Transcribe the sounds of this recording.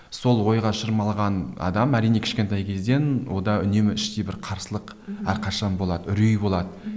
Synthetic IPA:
so̞lˠwo̞jʁɑʃəɾmɑlˠʁɑnɑ̰d̪ɑmæɾijneɪ̥ʃkʲe̞nt̪ɑjkʲʰe̞zd̪e̞nwo̞d̪ɑʏne̞mɪɪʃt̪ebɪɾqʰɑɾsəlˠəq | æ̰ɾqʰɑʃɑnbo̞lˠɑd̪əʏɾijbo̞lˠɑd̪ə

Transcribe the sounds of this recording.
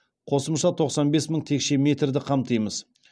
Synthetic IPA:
qʰo̞səmʃɑt̪ʰo̞qsɑnbe̞sməɴt̪ʰe̞kʃe̞me̞t̪rd̪ɪqʰɑmt̪əjməz̥

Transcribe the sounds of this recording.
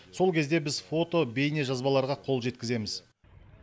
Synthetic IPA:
so̞lˠkʲʰe̞zd̪e̞bɪzfo̞t̪o̞be̞jneʒɑzbɑlˠɑɾʁɑqʰo̞lˠʒe̞t̪̚kʲɪze̞mɪz̥

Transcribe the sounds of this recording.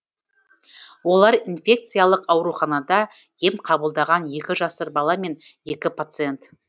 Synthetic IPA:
wo̞lˠɑɾinfʲe̞k̚t̪sɨjalˠəqɑwɾuχɑnɑd̪ɑje̞mqʰɑbəlˠd̪ɑʁɑnje̞kʲɪʒɑsəɾbɑlˠɑme̞ne̞kʲɪpʰat̪sɨje̞nt̪

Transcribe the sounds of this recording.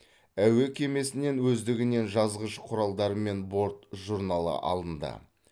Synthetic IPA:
æwe̞kʲʰe̞me̞sɪne̞nwɵzd̪ɪɡʲɪne̞nʒɑzʁəʃəqʰʊɾɑlˠd̪ɑɾəme̞nbo̞ɾt̪ʒuɾnɑlˠə̰ʔɑ̰lˠd̪ənd̪ɑ̰

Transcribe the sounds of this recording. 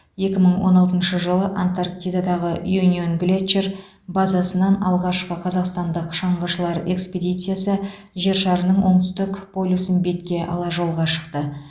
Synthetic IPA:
je̞kʲɪməɴwo̞̰nɑlˠt̪ənʃəʒəlˠəʔant̪arkt̪ijd̪ad̪ɑʁəjunio̞nblʲet̪t͡ʃer | bɑzɑsənɑnɑlˠʁɑʃqəqʰɑzɑqst̪ɑnd̪əqʃɑɴbɑʃəlˠɑɾe̞ksped̪ijt̪sɨjasə | ʒe̞ɾʃɑɾənəɴwo̞ɴt̪ʏ̥st̪ɪkpʰo̞lʲusənbe̞t̪kʲe̞ʔɑ̰lˠɑʒo̞lˠʁɑʃə̥qt̪ə

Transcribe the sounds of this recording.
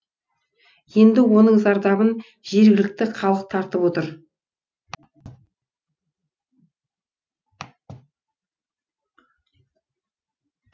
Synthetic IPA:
je̞nd̪ɪwo̞nəɴzɑɾd̪ɑβən | ʒ̥e̞ɾɡʲɪlɪk̚t̪ɪqʰɑlˠəq̚t̪ʰɑɾt̪əpwo̞t̪əɾ

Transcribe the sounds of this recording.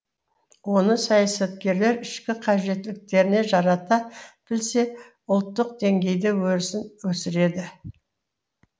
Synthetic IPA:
wo̞nəsɑjɑsɑt̪̚kʲe̞ɾle̞ɾɪʃkʲɪqʰɑʒe̞t̪lɪk̚t̪e̞ɾɪne̞ʒɑɾɑt̪ɑb̥ɪlse̞ | ʊlˠt̪ːəq̚d̪e̞ŋɡʲe̞jd̪ɪwɵɾɪsɪnwɵsɪɾe̞d̪ɪ

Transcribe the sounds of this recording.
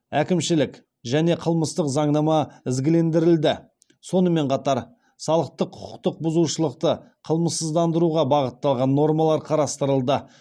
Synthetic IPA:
ækʲɪmʃɪlɪk | ʒæne̞qʰəlˠməst̪əqzɑɴnɑmɑɪzɡʲɪle̞nd̪ɪɾɪld̪ɪ | so̞nəme̞ɴqʰɑt̪ɑɾ | sɑlˠəq̚t̪əqʰʊ̥qʰʊ̥qt̪əq̚bʊzuʃəlˠəq̚t̪əqʰəlˠməsəzd̪ɑnd̪əɾuʁɑbɑʁət̪ːɑlˠʁɑnːo̞ɾmɑlˠɑɾqʰɑɾɑst̪əɾəlˠd̪ə

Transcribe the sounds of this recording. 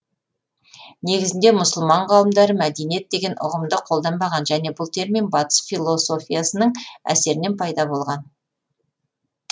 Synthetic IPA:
ne̞ɡʲɪzɪnd̪e̞mʊsʊlˠmɑɴqʰɑlˠəmd̪ɑɾəmæd̪enije̞t̪̚d̪e̞ɡʲe̞nʔʊ̰ʁəmd̪əqʰo̞lˠd̪ɑnbɑʁɑnʒæne̞bʊlˠt̪ʰe̞ɾmijmbɑt̪ə̥sfʲijlˠo̞so̞fʲijasənəɴæ̰se̞ɾɪne̞npʰɑjd̪ɑbo̞lˠʁɑn

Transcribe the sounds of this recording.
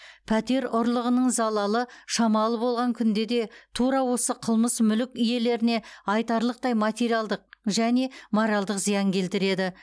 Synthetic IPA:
pʰæt̪e̞ɾʊɾlˠəʁənəɴzɑlˠɑlˠəʃɑmɑlˠəbo̞lˠʁɑŋkʲʰʏnd̪e̞d̪e̞t̪ʰuɾɑwo̞səqʰəlˠməsmʏlɪkʲʏje̞le̞ɾɪne̞ɑjt̪ɑɾlˠəq̚t̪ɑjmɑt̪ʲe̞ɾijɑlˠd̪əq̚ʒæne̞moɾɑlˠd̪əqzijɑŋkʲʰe̞lt̪ɪɾe̞d̪ɪ

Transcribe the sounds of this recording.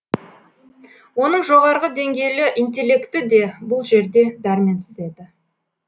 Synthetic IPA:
wo̞n̪əɴʒo̞ʁɑɾʁəd̪e̞ŋɡʲe̞jlɪʔint̪̬e̞lːe̞kt̪ɪd̪e̞bʊlˠʒe̞ɾd̪e̞d̪æɾme̞nsɪze̞d̪ɪ

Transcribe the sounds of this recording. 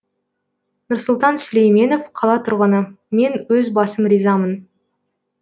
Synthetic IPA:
nʊɾsʊlˠt̪ɑnsɵlejme̞no̞fqʰɑlˠɑt̪ʰʊɾʁənə | me̞nwɵzbɑsəmɾizɑmən

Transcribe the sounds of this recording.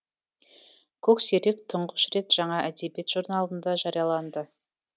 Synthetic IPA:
kʲʰɵkse̞ɾek̚t̪ʰʊɴʁəʃɾe̞t̪ʒ̥ɑɴɑʔæd̪ebje̞t̪ʒ̥uɾnɑlˠənd̪ɑʒɑɾijɑlˠɑnd̪ə

